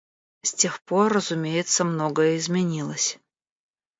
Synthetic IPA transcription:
sʲtʲe̞xporːəzʊmʲejɪt̪səmnoɡəjəɪzmʲɪnʲilˠəsʲ

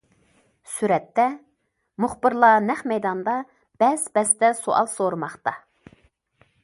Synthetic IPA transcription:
syɾɛt̪ːɛ | mʊχbɨɾlˠɑnɛχmɛjd̪ɑnd̪ɑ | b̥ɛzbɛst̪ɛsoʔɑ̰lˠsoɾɨmɑχt̪ɑ

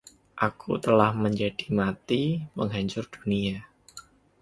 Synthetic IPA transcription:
ʔakʰṵt̪əlahməɲd͡ʒad̥i̥mat̪iməŋɦaɲt͡ʃʊrd̥unia

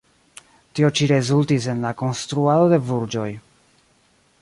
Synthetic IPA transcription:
tio̞t͡ʃiɾe̞zultis̬e̞nlako̞nstɾuado̞de̞vuɾd͡ʒo̞j

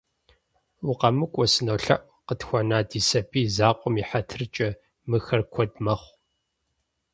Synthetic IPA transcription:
wʊqɐmɨkʷʼɔsɨnoːɬɐ̰ʔ | qətxʷɔnaːdiːsɐbʰʼiːzaːqʷʼɔmiħatʰɨrt͡ʃʼɐ | mɨxɐrkʷʰɔdmɐχʷ

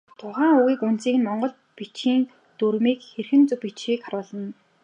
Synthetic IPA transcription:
t̪ʰʊχæːŋuɣiːkunt͡siːkɘ̆nmɔɴɢɞ̆ɮ | pit͡ɕxiːn | t̪urmiːkxerxɘ̆nt͡sɵpit͡ɕxiːkχaɾʊːɮə̆n

